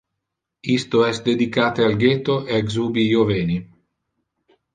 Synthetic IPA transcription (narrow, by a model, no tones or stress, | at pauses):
ist̪oɛsd̪ed̪ikaːt̪ealɡet̪oeaɡzuːbijoveːni